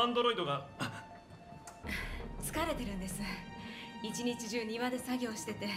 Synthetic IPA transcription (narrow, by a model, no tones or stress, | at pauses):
ãnd̪oɾo̞id̪o̞ɡa | t͡sɨ̥kaɾe̞t̪e̞ɾɯ̟̃nd̪e̞sɨ | it͡ɕiɲit͡ɕiʑɨːɲ̟iβad̪e̞saɡʲo̞ːɕi̥t̪e̞t̪e̞